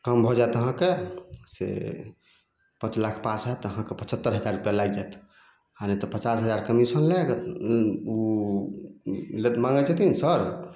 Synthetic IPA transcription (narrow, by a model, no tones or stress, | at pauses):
kəmbʱɔd͡ʒaet̪əɦãkesḛ | pə̃t͡ʃlakʰpat͡ʃɦajt̪əɦãkepət͡ʃʰət̪ːəɾɦəd͡ʒaɾupjalajd͡ʒajt̪ | hanet̪ɔpət͡ʃasɦəd͡ʒaɾkəmisənlɛɡ | u | let̪mãŋɡət͡ʃɛt̪insəɾ